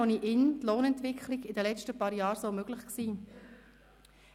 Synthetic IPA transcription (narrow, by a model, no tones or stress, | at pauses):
oniʔɪnt̪loːnɛntʋɪkʰlɪɡɪdəlɛt͡ʃtəpɑːɾjɑːɾsomøɡ̥lɪχksiː